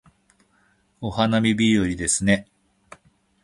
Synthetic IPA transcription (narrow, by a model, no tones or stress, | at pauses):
o̞hanamʲibʲijoɾʲid̪e̞sɨne̞